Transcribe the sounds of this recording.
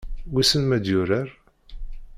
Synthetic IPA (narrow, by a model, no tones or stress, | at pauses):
wisənmæd̪jʊɾæɾ